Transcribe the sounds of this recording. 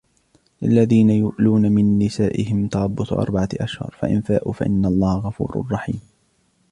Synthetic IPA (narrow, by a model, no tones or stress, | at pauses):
lɪlːaðiːnajʊʔluːnamɪnːɪsaːʔɪhɪmt̪ɑlˤɑbːʊt̪ʔɑ̰ɾˤbaʕaʔaʃhʊ̰ɾˤfa̰ʔɪ̰nfaːʔṵfaʔɪ̰nːalˤːɑːhaɣɑfṵːɾ̰rˤːɑħḭːm